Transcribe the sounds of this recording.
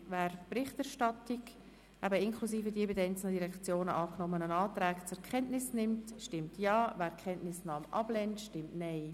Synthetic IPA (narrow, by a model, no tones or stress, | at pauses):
væːɾpɾɪχtæɾʃtɑtɪk | æbəɪnkʰlusiːfədiəbɪdəɛɪnt͡sl̩nədiɾɛkt͡sjoːnəʔɑːknɔmənənɑːtɾɛːkt͡sʊɾkʰχɛntnɪsnɪmtʃtɪmtjɑːvæːɾkʰɛntnɪsnɑːmʔɑ̰blɛntʃtɪmtnɛɪ